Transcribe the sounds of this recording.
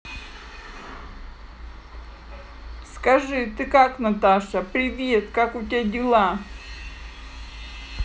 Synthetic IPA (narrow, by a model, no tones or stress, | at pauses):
skɐʐɨt̪ɨkaknɐt̪aʂɐpɾʲɪvʲet̪kakʊtʲɪadʲɪlˠa